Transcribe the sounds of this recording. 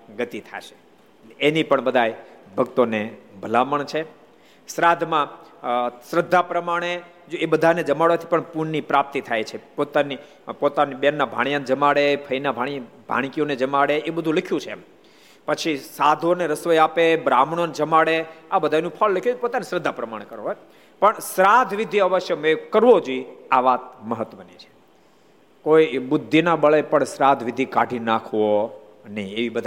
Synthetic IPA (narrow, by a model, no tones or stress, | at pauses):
ɡət̪it̪ʰa̰ʃe̥ | enipəɳbəd̪ʱajbʱəɡt̪onebʱəlaməɳt͡ʃʰe | sɾad̪ʱmã | sɾəd̪ʱːapɾəmaɽ̃e | d͡ʒoebəd̪ʱaned͡ʒəmaɽot̪ʰi̥pəɳpuɾnipɾap̚t̪it̪ʰajt͡ʃʰepot̪ani | pot̪aniɓɛnːabʱa̰ɽ̃jand͡ʒəmaɽepʰəinabʱaɽ̃ibʱa̰ɽ̃kioned͡ʒəmaɽeebəd̪ʱũləkʰjũt͡ʃʰem | pət͡ʃʰisad̪ʱoneɾəsʋəjapebɾamɳ̃ond͡ʒəmaɽeabəd̪ʱanũpʰəlːəkʰjũt͡ʃpot̪anisɾəd̪ʱːapɾəmaɽ̃ekəɾõɦj | pəɳsɾad̪ʱʋid̪ʱiəʋəʃjəmekəɾʋod͡ʒoiaʋat̪̚məɦət̪ʋənit͡ʃʰe̥ | koibʊd̪ʱːinabəɭepəɳsɾad̪ʱʋid̪ʱikaɖʱinakʰʋo | nəĩeʋibəd̪ʱa